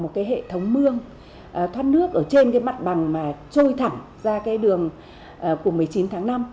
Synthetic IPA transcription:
mo˨˩t̚kaː˨˦jɦḛ˧˨t̪ʰə˨˦wŋ͡mmɨ˧əŋ | ʔəː˨˩t̪ʰwaː˦˥t̚nɨ˦˥ək̚ʔəː˧˩t͡ɕe˧nkaː˨˦jma˨˩t̚ɓa˨˩ŋmaː˨˩t͡ɕo˧jt̪ʰa˧˩ŋ | zaː˧kaː˨˦jɗɨ˨˩əŋ | ʔəː˨˩ku˧˩əmɨ˨˩əjt͡ɕi˨˦nt̪ʰaː˨˦ŋna˧m

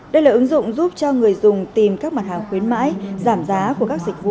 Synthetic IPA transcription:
ɗə˧jlaː˨˩ʔɨ˨˦ŋzʊ̰˧˨wŋ͡mzu˦˥p̚t͡ɕɔ˧ŋɨ˨˩əjzʊ˨˩ŋ͡mt̪i˨˩mkaː˦˥k̚maː˨˩t̚haː˨˩ŋxwi˨˦ənma̰ː˧˥jzaː˧˩mzaː˨˦ku˧˩əkaː˦˥k̚zi˨˩k̚vṵ˧˨

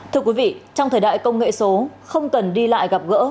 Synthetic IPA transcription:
t̪ʰɨ˧əkwi˨˦vḭ˧˨t͡ɕɔ˧wŋ͡mt̪ʰəː˨˩jɗa̰ː˧˨jkə˧wŋ͡mŋḛ˧˨so˨˦xə˧wŋ͡mkə˨˩nɗi˧la̰ː˧˨jɣa˨˩p̚ɣə̰ː˧˥

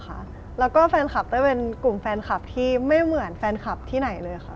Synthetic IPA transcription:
kʰa̰˦˥ʔ | lɛː˦˥wkɔː˥˩fɛː˧nxʰa˨˩p̚t̪a˥˩pe˧nku˨˩mfɛː˧nkʰa˨˩p̚t̪ʰiː˥˩ma˥˩jmɯ˨˩˦ənfɛː˧nkʰa˨˩p̚t̪ʰiː˥˩na˩˦jlɤː˧jxʰa˦˥

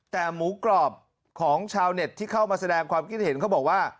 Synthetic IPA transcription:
t̪ɛː˨˩muː˩˦klɔː˨˩p̚ | kʰɔː˩˦ŋt͡ɕʰaː˧wne˨˩t̪ʰːiː˥˩kʰa˥˩wmaː˧sa˧dɛː˧ŋkʰwaː˧mkʰi˥˩t̪̚he˨˩˦nkʰa˥˩bɔː˨˩k̚waː˥˩

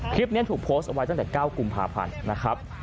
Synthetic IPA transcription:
kʰli˦˥p̚ni˦˥t̪ʰu˨˩k̚pʰoː˦˥st̪ʔa˧wa˧jt̪a˥ŋt̪ːkaː˥˩wku˧mpʰa̰ː˧pʰa̰˧nːa˦˥kʰɾa˦˥p̚

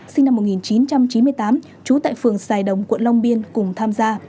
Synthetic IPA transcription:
sï˧ŋ̟na˧mːo˨˩t̚ŋi˨˩nt͡ɕi˨˦nt͡ɕa˧mt͡ɕi˨˦nmɨ˧əjt̪aː˨˦m | t͡ɕu˨˦t̪a̰ː˧˨jfɨ˨˩əŋsaː˨˩jɗə˨˩wŋ͡mkwə̰˧˨nla˧wŋ͡mɓi˧ənkʊ˨˩ŋ͡mt̪ʰaː˧mzaː˧

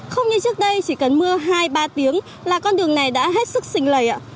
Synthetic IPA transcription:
xə˧wŋ͡mɲɨ˧t͡ɕɨ˦˥ək̚ɗə˧jt͡ɕi˧˩kə˨˩nmɨ˧əɦaː˧jɓaː˧t̪i˨˦əŋ | laː˨˩kɔ˧nɗɨ˨˩əŋna˨˩jɗa̰ː˧˥ɦe˦˥t̚sɨ˦˥k̚sï˧˩ŋ̟ləː˨˩jʔa̰ː˧˩

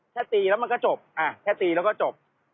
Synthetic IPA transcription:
t̪ʰɛː˥˩t̪iː˧lɛ˦˥wma˧kɔː˥˩t͡ɕo˨˩p̚ʔaː˨˩t̪ʰɛː˥˩t̪iː˨˧lɛː˦˥wkɔ˥˩t͡ɕo˨˩p̚

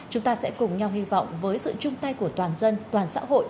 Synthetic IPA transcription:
t͡ɕʊ˨˦ŋ͡mt̪aː˧sɛ̰˧˥kʊ˨˩ŋ͡mɲa˧whi˧vɔ̰˧˨wŋ͡mvəː˨˦jsɨ̰˧˨t͡ɕʊ˧ŋ͡mt̪a˧jku˧˩ət̪waː˨˩nzə˧nt̪waː˨˩nsa̰ː˧˥ɦo̰˧˨jʔ

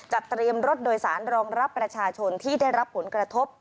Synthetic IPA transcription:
t͡ɕa˨˩p̚t̪ɾi˧əmɾo˦˥t̪̚doː˧jsaː˩˦nɾɔː˧ŋɾa˦˥pːɾa˧t͡ɕʰaː˧t͡ɕʰo˧nt̪ʰiː˥˩daː˥˩jɾa˦˥pʰːo˩˦nkɾa˧t̪ʰo˦˥p̚

